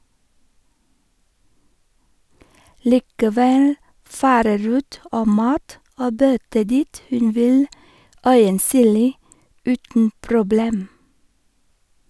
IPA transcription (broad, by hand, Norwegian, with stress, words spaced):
liːkəˈʋɛl ˈfɑːɾə ˈɾuːt ˈoː ˈmɑːt ˈoː ˈbœtə ˈdiːt ˈhʉn ˈʋɪl ˈœʏənˌsyːliː ˈʉːtn̩ pɾʊˈbleːm